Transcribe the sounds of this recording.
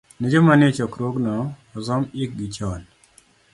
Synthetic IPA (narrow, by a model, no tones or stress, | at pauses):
ned͡ʒomanɪt͡ʃɔkɾoɡnɔː | zɔmɪk̚ɡit͡ʃɔl